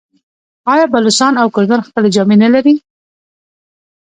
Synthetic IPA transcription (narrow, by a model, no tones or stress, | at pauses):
ɑjɑbalʊsɑnawkʊɾd̪anxpəled͡ʒɑmenalaɾi